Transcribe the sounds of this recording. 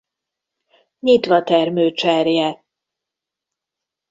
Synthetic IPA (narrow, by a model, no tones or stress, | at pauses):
ɲit̪ʋɒt̪ɛrmøːt͡ʃɛrjɛ